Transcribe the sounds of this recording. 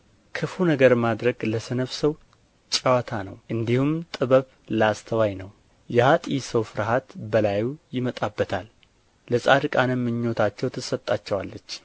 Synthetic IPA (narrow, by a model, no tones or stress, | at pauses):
kʰɨfunəɡəɾmad̪ɾəɡləsənəβsəw | t͡ʃʼawat̪ʰanə̰wʔɨnd̪ihumt̪ʼɨβəβ | ləast̪ʰəwajnəw | jɛhat̪ʼisəwfɨɾɦat̪bəlajujɪmət̪ʼabːət̪ʰalː | əsʼad̪ɨkʼanəmːɨɲːo̞t̪ʰat͡ʃːɛwt̪ʰɨsət̪ʼːat͡ʃːɛwalːət͡ʃː